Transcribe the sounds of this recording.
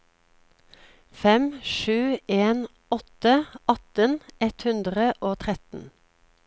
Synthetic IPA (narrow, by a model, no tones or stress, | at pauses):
fɛmʃʉːeːn | ɔt̪əɑt̪ənɛt̪hʉnd̪ʁəʔoːt̪ʰʁɛt̪n̩